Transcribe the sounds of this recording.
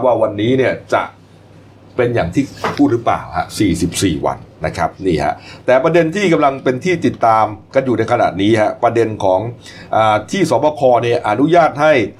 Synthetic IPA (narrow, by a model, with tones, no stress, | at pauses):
p̚waː˥˩wa˧nːiː˦˥ni˥˩ɐt͡ɕa̰˨˩ʔ | pe˧njaː˨˩ŋt̪ʰiː˥˩pʰuː˥˩t̪̚ɾɯ˦˥pla̰ː˨˩wha̰˦˥siː˨˩si˨˩p̚sḭː˨˩wa̰˧nːa˦˥kʰɾa˦˥p̚niː˥˩ha̰˦˥ʔt̪ɛː˨˩pɾa˧de˧nt̪ʰiː˥˩k̬a˧mla˧ŋpe˧nt̪ʰiː˥˩t̪i˨˩t̪ːaː˧mka˧njuː˨˩na˧jkʰa˧na̰˨˩t̪̚niː˦˥ha˦˥pɾa˧de˧nkʰɔː˩˦ŋʔaː˨˩t̪ʰiː˥˩sɔː˩˦pɔ˧kʰɔː˧ni˥˩ɐʔa˧˩nu˦˥jaː˥˩t̪̚ha˥˩j